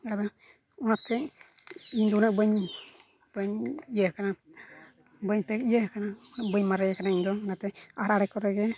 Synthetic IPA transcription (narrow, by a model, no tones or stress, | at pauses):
ɡad̪a | ɔnat̪ɛ | ind̪ɔnaʔbəɲ | b̥əɲijəkana | bəɲpɛkijəhkananabəɲmaɾɛkanaind̪ɔnat̪ɛaɾaɽɛkɔɾɛɡɛ